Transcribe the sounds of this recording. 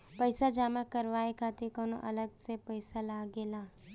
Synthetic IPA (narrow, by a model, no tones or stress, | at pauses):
pəɪsad͡ʒaːmakəɾʋaːekʰaːt̪ikoːno̰ʔɐləɡsepəɪsalaːɡeːlaː